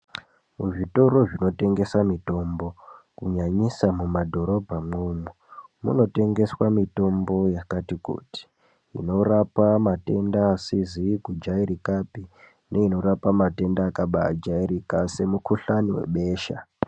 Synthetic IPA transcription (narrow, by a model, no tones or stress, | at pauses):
muʐito̞ro̞ʐino̞te̞ŋɡe̞samito̞mbo̞kuɲaɲisamumadʱo̞ɾo̞bʱamumu | mṵno̞te̞ŋɡe̞swamito̞mbo̞jakatikṵti̥ | ḭno̞rapamate̞ndaːsizikud͡ʒaiɾikapi | ne̞ino̞rapamate̞ndaːkaɓa̰d͡ʒaiɾikase̞mukuɬaniwḛɓe̞ːʃa̰